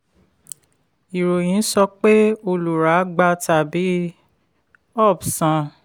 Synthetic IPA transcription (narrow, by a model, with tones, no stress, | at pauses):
i˨ɾo˨j̃ĩ˨˦sɔ˧k͡pe˦o˧lu˨ɾa˨˦ɡ͡ba˧˦ta˨bi˨˦ | ɔ˦˨bsã˧